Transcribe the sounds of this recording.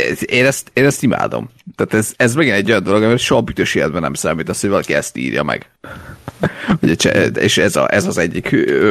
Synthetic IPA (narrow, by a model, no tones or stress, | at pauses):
eːnɛst̪eːnɛst̪ima̰ːd̪o̰mt̪aːt̪ɛzɛzmɛɡinɛɟːo̞jɒnd̪o̞lo̞ɡɒmiɾɛt̪ʃoɦɒbyt̪øʃeːlɛd̪bɛnːɛ̰msaːmiːt̪ɒshojvɒlɒkiɛst̪ḭːrjɒ̰mɛ̰ɡ̥ | hoɟɛt͡ʃɛ̰eːʃɛzɒ̰ʔɛzɒzɛɟːik